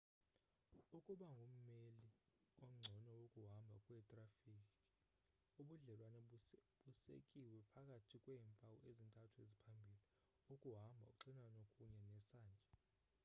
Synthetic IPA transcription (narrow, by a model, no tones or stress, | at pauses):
ukʼuɓaŋʱom̩meliɔm̩ŋ͡ǀʱɔnɔwokʼuɦambʱakʼwɛːtʼrafikʼi̥ | uɓuɮɛlwanɛɓusḛkʼiwɛpʰakʼatʰikʼwɛːmpʼawuʔezintʼatʰuezipʰambʱili | ukʼuɦambʱauk̬ʼǁinwanokʼuɲɛnɛsaːnd͡ʒʱɛ